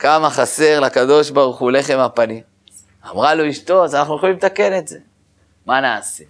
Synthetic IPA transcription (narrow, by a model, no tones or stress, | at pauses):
kamaχase̞ʁlakad̪o̞ʃbaʁuχule̞χe̞mapanim | amʁaloiʃt̪o̞tanaχnujoχalimtake̞ne̞tze̞ | manaːse̞